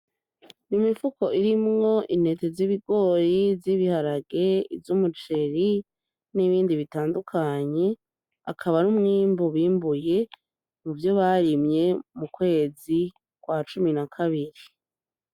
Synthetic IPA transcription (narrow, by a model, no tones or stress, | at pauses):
nimifuko̞ʔiɾimŋo̞ʔin̥he̞teziβiɡo̞ːjivziβihaɾaɡeivjumut͡ʃe̞ɾi | niβiːndiβitaːndukʰaɲe̞ | akʰaβanumŋimbuβiːmbuje̞ | muvjo̞βaɾimɲe̞mukwe̞ːzi | kwat͡ʃuminakʰaβiɾi